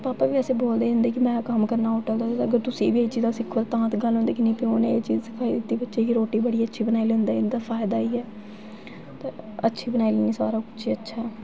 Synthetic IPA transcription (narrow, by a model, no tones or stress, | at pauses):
paːpaːʋiːɛseːboːld̪eːʊ̃nd̪eːkɪmɛ̃ːkəmkəɾnaːʊʈəld̪aːt̪ːəɡəɾt̪ʊsĩːʋiːeit͡ʃiːzaːsɪkʰːoːlt̪ãːt̪ɡəlɦõnd̪eːkɪnĩːpɪoːnẽet͡ʃiːzsəpʰaːid̪ɪt̪ːiːbətːʃeːkiɾoːʈːiːbəɽiːətːʃʰiːbənaːilẽːnd̪aːɪnd̪aːpʰaːɪd̪aːiːɛː | t̪ãətːʃʰiːbənaːileːniːsa̰ːɾaːkʊt͡ʃʰiːətːʃʰaɛ